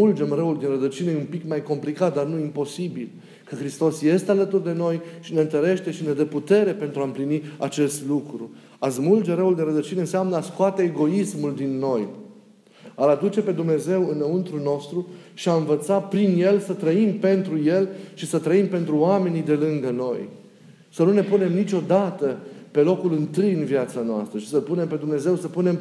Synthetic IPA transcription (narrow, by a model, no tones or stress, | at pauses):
uld͡ʒe̞mrəuld̪inrəd̪ət͡ʃineumpikmajko̞mplikat̪̚d̪arnuimpo̞sibil | kəxɾist̪o̞sje̞st̪ealət̪urd̪e̞no̞jʃine̞ɨnt̪əɾe̞ʃt̪e̞ʃine̞d̪əput̪e̞ɾe̞pe̞nt̪ɾuaɨmpliniat͡ʃe̞st̪lukɾu | azmuld͡ʒe̞ɾəuld̪inɾəd̪ət͡ʃine̞ɨnseamnəaskoat̪e̞ːɡo̞ismuld̪inːo̞j | alad̪ut͡ʃe̞pe̞d̪umne̞ze̞wɨnːəunt̪ɾulno̞st̪ɾuʃiaɨnvət̪sapɾinje̞lsət̪ɾəimpe̞nt̪ɾuje̞lʃisət̪ɾəimpe̞nt̪ɾuoame̞nid̪e̞lɨŋɡəno̞j | sənune̞pune̞mnit͡ʃʲo̞d̪at̪əpe̞lo̞kulɨnt̪ɨjɨnviat̪sanoa̰st̪ɾəʃisəlpune̞mpe̞d̪umne̞ze̞wsəpune̞m